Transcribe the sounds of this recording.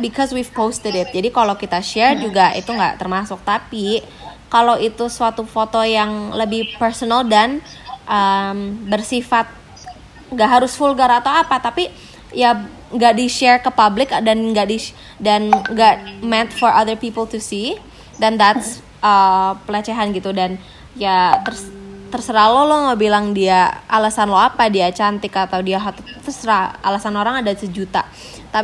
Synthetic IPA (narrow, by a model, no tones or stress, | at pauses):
bikʰɔswivpost̪ədɪt̪̚d͡ʒadikalawkit̪aʃɛrd͡ʒuɡaʔḭt̪uŋɡa̰ʔt̪ərmasʊk̚t̪api | kalawit̪usəat̪ufot̪ojaŋləbɪhpərsonaldan | ʔəmbərsifat̪̚ | ŋɡaʔɦaɾʊsfulɡaɾaːt̪awapat̪api | ja | ŋɡaʔdiʃɛrkəpablɪkdanŋɡaʔdi | danŋɡamɛnt̪̚fɔɾʔaðərpipəlt̪usi | dand̪at̪s | ʔəpəlat͡ʃɛɦanɡit̪udan | jat̪ərst̪ərsəɾalɔlɔhŋawbilaŋdiaalasanloapadiat͡ʃant̪ɪkat̪awdiaɦat̪t̪ərsəɾaa̰lasanoɾaŋadasəd͡ʒut̪a̰ | t̪a